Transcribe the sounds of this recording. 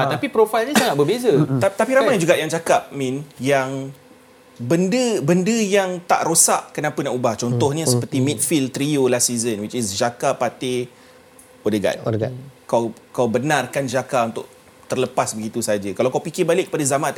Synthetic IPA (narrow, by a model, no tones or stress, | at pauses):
at̪apipɾofajlɲəsaŋat̪̚bəbezət̪apiɾamajd͡ʒuɡaʔjaŋt͡ʃakap̚mĩnjaŋ | bəndəbəndəjaŋt̪a̰ʔɾosaʔkənapənaʔubaht͡ʃɔnt̪ɔhɲəsəpərt̪imĩt̪̚filt̪ɾiolasizənwit͡ʃisd͡ʒakapat̪ɪ | odəɡa̰ɡkawkawbənarkand͡ʒakaunt̪ʊkʔ̚ | t̪ərləpasbəɡit̪usad͡ʒəkalawkawpikɪbalɪkːəpadazamã